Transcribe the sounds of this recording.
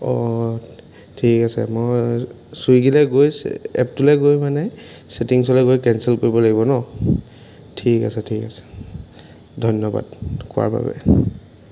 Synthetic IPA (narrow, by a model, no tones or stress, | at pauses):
ɔ | tʰikasɛmɔj | suiɡilɛɡojɛ̰p̚tulɛɡojmanɛsetiŋsɔlɛɡojkɛnsɛlkoɹibɔlaɡibɔnɔ | tʰikasɛtʰikasɛ̥ | dʱɔjnɔba̰dkʊa̰ɹba̰bɛ̰